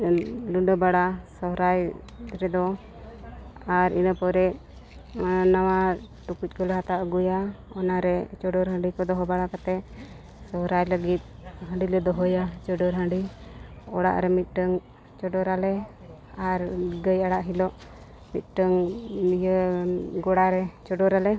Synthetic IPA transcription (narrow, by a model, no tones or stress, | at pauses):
luɖɔbaɽasɔɦɾaj | ɾɛd̪ɔ | aɾḭnəpɔɾɛ | nawa | ʈukuc̚ˀkɔlɔɦat̪aʔɡujaɔnaɾɛt͡ʃɔɖɔɾɦə̃ɳɖikɔd̪ɔɦɔbaɽakat̪ɛ | sɔɦɾajləɡit̪̚ɦə̃ɳɖilɛd̪ɔɦɔjat͡ʃɔɖɔɾɦə̃ɳɖi | ɔɽa̰ʔɾɛmit̪̚ˀʈəŋ | t͡ʃɔɖɔɾalɛ | aɾɡəjaɽaʔɦilɔʔ | mit̪̚ʈəŋmijəɡɔɽaɾɛt͡ʃɔɖɔɾalɛ